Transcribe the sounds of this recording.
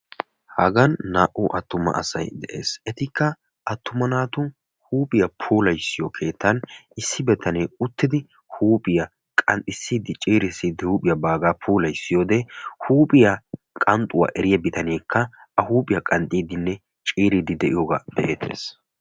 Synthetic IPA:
hɐɡɐnːaːʔʊʔɐt̪ːʊmɐ̰ʔɐ̰sɐ̰jd̪ɛʔe̞̰ːsɛt̪ɪkʰːɐ | ʔɐt̪ːʊmɐnaːt̪ʊn | huːpʼɪjɐpʰuːlɐjsːɪjɔkʰe̞ːt̪ʰːɐnɪsːɪbɛt̪ʰːɐnɛʊt̪ːɪd̪ɪ | huːpʼɪjɐ | kʼɐnt̪ʼɪsːiːd̪ɪt͡ʃʼiːɾɪsːiːd̪ɪhuːpʼɪjɐbaːɡaːpʰuːlɐjsːɪjoːd̪ɛhuːpʼɪjɐ | kʼɐnt̪ʼʊwa̰ːʔɛɾɪjɐbɪt̪ʰɐneːkʰːɐ | ɐhuːpʼɪjɐkʼɐnt̪ʼiːd̪ɪnːɛ | t͡ʃʼiːɾid̪ɪd̪ɛʔɪjoɡad̪̥ɛʔḛːt̪ʰːe̞̰ːs

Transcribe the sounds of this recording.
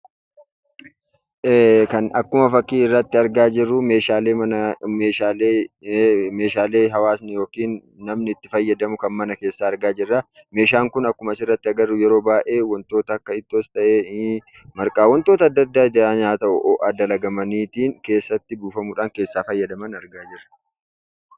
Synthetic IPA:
kɐnɐkːʊmɐfɐkːiːɪrːɐt̪ːɪɐɾɡaːd͡ʒɪrːʊmeːʃaːleːɐɐmeːʃaːle | me̞ːʃaːle̞ːɦɐwaːsnɪjo̞ːkiːnː | ɐmnɪːt̪ːɪfɐjːɐd̪ɐmʊkɐnmɐnɐke̞ːsːaːɾɡaːd͡ʒɪrːa | me̞ːʃ̬aːŋkʊnɐkːʊmɐsɪrːɐt̪ːɪɐɡɐrːʊjɛɾo̞ːbaːʔe̞ːwɔnt̪o̞ːt̪ɐːkːɐɪt̪ːoːst̪ɐʔeː | mɐɾkʼaːwɔnt̪o̞ːt̪ɐɐd̪ːɐd̪ːaːd̪aːɲaːt̪ɐʔʊ̰ʔɔʔɐd̪ɐlɐɡɐmɐniːt̪iːŋke̞ːsːɐt̪ːɪbuːfɐmuːᶑaːŋke̞ːsːaːfɐjːɐd̪ɐmɐnɐɾɡaːd͡ʒɪrɐ̥

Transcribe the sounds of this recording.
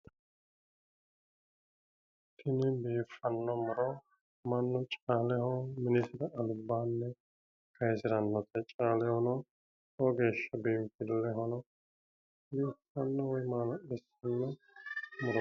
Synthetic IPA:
t̪ʰɪnɪbeːfɐnːɔmʊɾɔ | mɐnːɔt͡ʃʼaːlɛhɔmɪnɪsɪɾɐɐlʊbːaːnːɛ | kʰɐjsɪɾɐnːɔt̪ʰɛt͡ʃʼaːlɛhɔnɔ | ɔɡeːʃːɐbeːmfɪlːɛɦɔnɔ | beːfɐnːɔwɔjmaːnɔɛsɐnːɔ | mʊɾɔ

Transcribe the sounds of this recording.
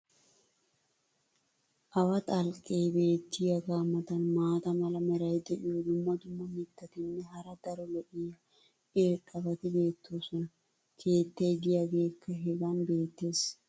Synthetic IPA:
ʔɐwɐt̪ʼɐlkʼːejbe̞ːt̪ːɪjɐɡaːmːɐt̪ɐnmaːt̪ɐmɐlɐmɛɾɐjd̪ɛʔɪjɔd̪ʊmːɐd̪ʊmːɐmɪt̪ːɐt̪ɪnːɛɦɐɾɐd̪̥ɐɾɔlɛʔɪjɐ | ʔeːkʼːɐbɐt̪ɪbe̞ːt̪ʰːoːsɔnɐ | kʰe̞ːt̪ːɐjd̪ɪjaɡe̞ːkʰːɐɦɛɡɐnbe̞ːt̪ːeːs

